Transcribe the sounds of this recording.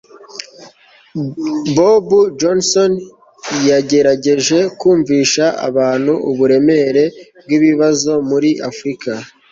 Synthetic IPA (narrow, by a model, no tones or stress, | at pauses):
bobud͡ʒonson | jaɟe̞ɾaɟe̞ʒe̞kuːɱviːʃaʔa̰βaːn̤̥huʔuβuɾe̞me̞ɾe̞b̚ɡiβiβazo̞muɾiʔafɾika